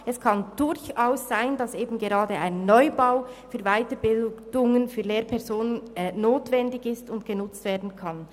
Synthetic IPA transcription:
ɛskʰɑnd̥ʊɾçaʊsz̥aɪndɑseːbn̩ɡeʁɑːdəa̰ɪnːɔʏbaʊfyːɐvaɪtəbɪld̥ʊŋənfyːleːɾpʰɛɐzoːnənnoːtvɛndɪçɪstʊntɡ̥ənʊt͡stv̥eːɐdn̩kʰɑn

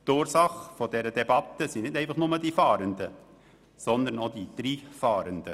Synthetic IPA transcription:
t̪uːɾsɑχfod̥̪ɛɾəd̪ɛbɑt̪əsinɪtnɛɪfɑχnʊməd̥ifɑːɾənd̪ə | sɔnd̪ənod̪id̪̥ɾiːfɑːɾənd̪ə

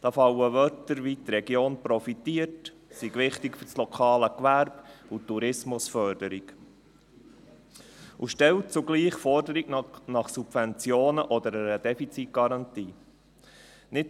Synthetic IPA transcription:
d̥ɑːfɑwəʋœtəɾʋit̪ɾɛɡjoːnpɾɔfitiːəɾt | siɡʋɪχtɪkfʏɾslɔkʰɑːləkʋæɾb̥utːuɾɪsmʊsfœɾdəɾiɡ | uʃtɛlt̚t͡suɡliːχfɔɾdəɾiɡnɑχsub̥vɛnt͡sjoːnəʔɔd̪əɾɛɾəd̥̪ɛfit͡sit̚ɡ̥ɑɾɑnt̪iː | nɪt

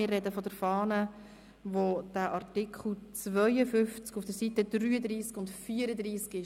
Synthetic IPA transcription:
ɪrːɛdəfɔdəɾfɑːnə | ʋod̥æʔɑrtɪkχl̩t͡svœʏəfʏft͡skufd̥əɾsitədryːəd̪ɾiːskʊntfiːəɾəd̪ɾiːskɪ

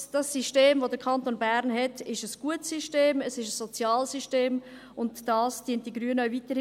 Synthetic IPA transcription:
d̥ɑsiʃteːmvodəɾkʰɑntonbæɾnɦɛtɪʃəsɡ̥uətsiʃteːməsɪʃəsːot͡sjɑːlsiʃteːm | ʊntːɑːsd̥iənt̚d̥iɡɾyənœvitəɾ

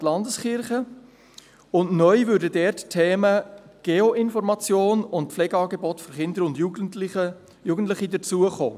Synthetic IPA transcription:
tlɑndəsχɪɾχə | ʊnnœʏvʏɾdədɛɾttʰɛːməɡ̥eoɪnfɔɾmɑt͡sjoːnʊntflɛɡəɑːɡebɔtføɾχɪndəɾʊndjuɡlə | juɡən̩tlɪχidət͡suəχo̰ː

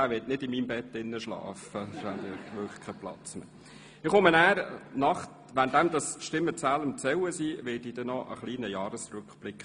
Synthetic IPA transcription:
æːɾʋɪtnɪdɪmiːmbɛtːɪnːəʃlɑ̰ːfəʃændɪʋøχkʰɛplɑ̰t͡smə̰ | ɪχomənæːɾnɑχt | ʋænd̥̪æmd̥̪ɑstʃtɪmːət͡sæləmtsɛwəsiːʋɪldid̥ɛnɔʔə̰χliːnəjɑːɾəsɾʉkχb̥lɪkχ

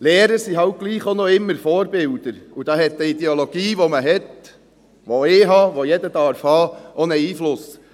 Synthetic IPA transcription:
leːɾəɾsiɦɑʊt̚ɡ̥liːχonoɪmːəɾfɔːɾbɪld̥̪əɾud̥ɑːɦɛt̪ːəid̥̪ɛoloɡ̥iːʋoməɦɛt̪ | ʋoɪɦɑːʋojɛdəd̥̪ɑɾfhɑːʔonəiːflʊs

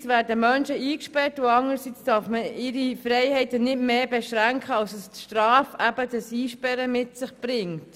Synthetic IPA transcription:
sʋæːɾdəmœnʃəiːkʃpɛrtuɑŋəɾsit͡sd̥ɑːɾfməɪɾifɾɛɪhɛɪtənɪdmeːbɛʃɾæŋkχəɑlsəstʃtrɑːfæbədəsiːʃpɛɾəmɪtsɪχb̥ɾɪŋt

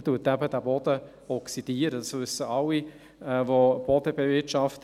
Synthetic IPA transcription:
tuːətæbədæːbɔd̥ə | ɔksid̥iəɾəd̥ɑsvʏsːəɑwːi | ɛvob̥ɔdəbevɪtʃɑft

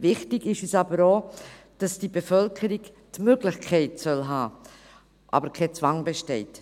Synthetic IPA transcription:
vɪχtɪɡɪʃisɑbəɾoː | d̥ɑsd̥ibefœlkʰəɾiɡ | tmøɡlɪxkʰɛɪtsœlɦɑː | ʔɑ̰bəɾkʰɛt͡svɑŋbɛʃtɛɪt

